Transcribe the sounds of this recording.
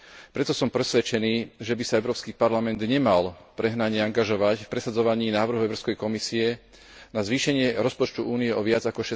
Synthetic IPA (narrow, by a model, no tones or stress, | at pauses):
pɾɛt̪ɔsɔmpɾɛsʋɛt͡ʃɛniːʒɛbisaɛʊɾɔːpskiːpaɾlamɛnd̪ɲɛmalpɾɛɦnaɲɪɛaŋɡaʒɔʋacfpɾɛsad͡zɔʋaɲiːnaːʋr̩ɦuʊɛʊɾɔʊskɛjkɔmisiɛ | nazʋiːʃɛɲɪɛɾɔspɔt͡ʃt̪uʔuːniɛʔɔʋɪad͡zakɔʃɛ